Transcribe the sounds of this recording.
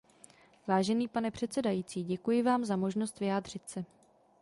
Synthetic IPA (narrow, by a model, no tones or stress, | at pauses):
vaːʒɛniːpanɛpr̝̥ɛt̪t͡sɛdajiːt͡siːɟɛkujɪvaːmzamo̞ʒno̞st̪vɪjaːdr̝̥ɪt̪sɛ